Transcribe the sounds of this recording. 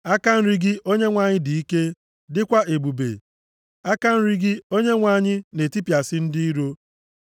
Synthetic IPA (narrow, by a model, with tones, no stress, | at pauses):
a˦ka˦n̩˦ɾi˦ɡɪ˦ʔo˦ɲe˦ŋʷa˨ɲɪ˦di˨i˦ke˦ | dɪ˦kʷa˦ʔe˨bu˨bḛ˨ | a˦ka˦n̩˦ɾi˦ɡɪ˦o˦ɲe˦ŋʷa˨ɲɪ˦ne˨ti˦pja˨sɪ˦n̩˦dɪ˦i˦ɾo˦